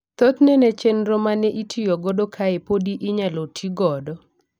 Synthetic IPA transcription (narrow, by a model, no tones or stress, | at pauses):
t̪ot̪nɛnɛt͡ʃenɾomanɛʔitʰijoɡodokʰaepodiʔɪɲalotʰiɡɔdɔ